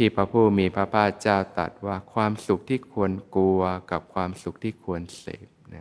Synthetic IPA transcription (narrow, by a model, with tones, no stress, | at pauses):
t̪ʰiː˥˩pʰa˦˥pʰuː˥˩miː˧pʰɾa˦pʰaː˥˩t̪̚t͡ɕaː˥˩wt̪a̰˨˩t̪̚waː˥˩kʰwaː˧msu˨˩k̚t̪ʰiː˥˩kʰu˧ənku˧ɐka˨˩p̚kʰwaː˧msu˨˩k̚t̪ʰiː˥˩kʰu˧ənsḛː˨˩˦p̚na˦˥